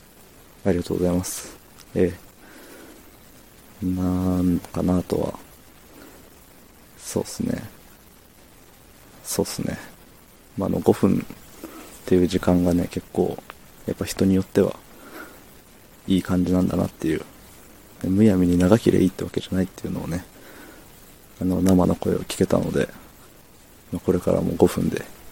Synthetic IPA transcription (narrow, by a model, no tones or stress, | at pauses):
aɾʲiɡat̪oːɡo̞zaimasɨ̥ | e̞ | nankanat̪o̞̰βa̰ | so̞̰ːsɨne̞̰ | so̞̰ːsɨne̞̰ | maa̰no̞̰ɡo̞ɸɯ̟̃n | t̪ːe̞jɯ̟ːʑikãŋɡane̞ke̞kːo̞̰ː | japːaçi̥t̪o̞ɲ̟ijo̞t̪ːe̞βa̰ | iːkãɲ̟d͡ʑinãnd̪ana̰t̪ːe̞jɯ̟ː | nemɯjamʲiɲ̟inaɡakʲiɾeʔiːt̪ːe̞βake̞ʑanait̪ːe̞jɯ̟no̞ːne̞ | ano̞namanʔo̞ko̞e̞̰o̞kʲi̥ke̞t̪a̰no̞d̪e̞̰ | mako̞ɾe̞kaɾa̰mo̞̰ɡo̞ɸɯ̟̃nd̪e̞